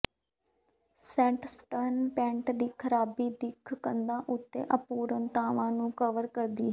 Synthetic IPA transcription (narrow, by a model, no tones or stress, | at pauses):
sɛ̃ːʈsʈənpɛ̃ːɳʈd̪iːkʰəɾaːbiːd̪ɪkʰkənd̪ãːʔʊt̪ːḛːʔəpuːɾənt̪aːʋãːnũːkəʋəɾkəɾd̪iː